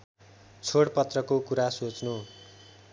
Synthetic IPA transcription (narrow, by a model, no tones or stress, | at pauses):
t͡sʰoɽpʌt̪rʌkokuɾasot͡snu